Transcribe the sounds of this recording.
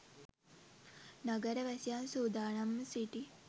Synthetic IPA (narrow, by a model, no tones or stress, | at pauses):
naɡəɾəʋæsijansuːd̪aːnamːəsiʈi